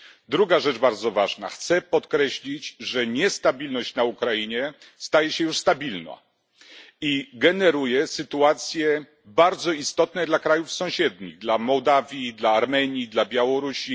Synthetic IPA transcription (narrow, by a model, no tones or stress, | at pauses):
d̪ɾuɡaʐɛt͡ʂbaɾd̪zɔvaʐna̰xt̪sɛpɔt̪kɾɛɕlʲid͡ʑʐɛɲɛst̪abʲilnɔɕt͡ɕnaukɾaiɲɛ | st̪ajɛɕɛjuʂst̪abʲilna̰ | iɡɛnɛɾujɛsɘt̪uat̪sʲjɛ | baɾd̪zɔist̪ɔt̪nɛd̪lakɾajufsɔ̃w̃ɕɛd̪ɲḭɣd̪lamɔwd̪avʲjid̪laːɾmɛɲid̪labʲjawɔɾuɕi